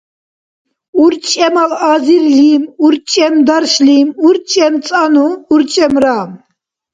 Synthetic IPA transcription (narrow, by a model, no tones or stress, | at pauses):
uɾt͡ʃʼɛmalaːziɾlimuɾt͡ʃʼɛmd̪aɾʃlimuɾt͡ʃʼɛmt͡sʼanuːɾt͡ʃʼɛmɾaːm